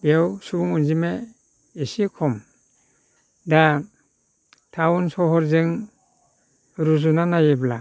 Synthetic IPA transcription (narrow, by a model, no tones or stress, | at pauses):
bewsubuŋunzime | isikʰɔm | da | tʰawunsɔɦɔɾzɯŋ | ɾuzunanajebla